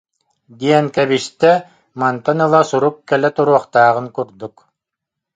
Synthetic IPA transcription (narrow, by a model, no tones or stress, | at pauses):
d̪iɛŋkɛbiʃt̪ɛ | mant̪anɯlˠasuɾuk̚kɛlɛt̪uɾuɔχt̪aːʁɯŋkuɾd̪uk